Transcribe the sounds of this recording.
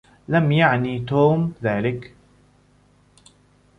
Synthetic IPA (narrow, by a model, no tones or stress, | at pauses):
lamjaʕnit̪oːmðaːlɪk